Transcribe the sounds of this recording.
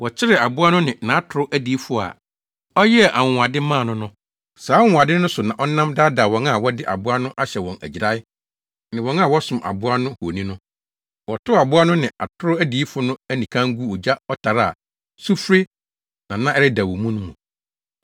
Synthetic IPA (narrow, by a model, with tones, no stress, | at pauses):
wɔ˨t͡ɕʰɪ˦ɾɪ˨a˨bʊ˦a˦nʊ̃˦nɪ̃˨nã˨˦tʰʊ˨ɾʊ˦ʔæ˦di˨i˦fʊ˦a̰˨ | ɔ˦jɛ˦˨ʔa˨ŋ˨a˨dɪ˦mãː˦˨nʊ̃˦nʊ̃˦ | saː˨˦ŋ˨a˨dɪ˦nʊ̃˦sʊ˨nã˨ʔɔ˦nã˦mda˦da˨wɔ̃˨˦ŋa˦˨wɔ˦dɪ˦ʔa̰˨bʊ˦a˦nʊ̃˦ʔa˦ɕɛ˨wɔ̃˨næ̰˨d͡ʑi˨ɾa˦ɪ˦ | nɪ̃˨wɔ̃˨ŋa˦˨wɔ˦sʊ̃˨mʔa̰˨bʊ˦a˦nʊ̃˦ho˨nĩ˦nʊ̃˦ | wɔ˨tʰʊ˦a˨bʊ˦a˦nʊ̃˦nɪ̃˨a̰˨tʰʊ˦ɾʊ˦æ˦di˨˦fʊ˦nʊ̃˦æ˦nĩ˨kʰã˦ŋ̩˦ɡu˦ɔ˨d͡ʑa˦ɔ˦tʰa˨ɾa˦˨ | su˦fɾe˦ | nã˨nã˦ɛ˦ɾɪ˦da˨wɔ˨mũ˦nʊ̃˦mũ˨